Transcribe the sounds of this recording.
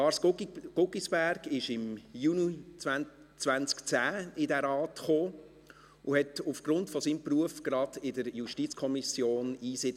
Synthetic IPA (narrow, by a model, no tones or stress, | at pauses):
ɑːɾsɡ̥ʊkisb̥æɾɡ̥ɪʃɪmjunit͡svæn | t͡sʋænt͡skt͡sæːɪdɛɾɑːtχoː | ʔʊhɛtufɡ̥ɾʊntfɔsiːmpruəfɡ̥ɾɑd̥ɪdəɾjuʃtiːt͡skʰɔmisjoːniːsɪ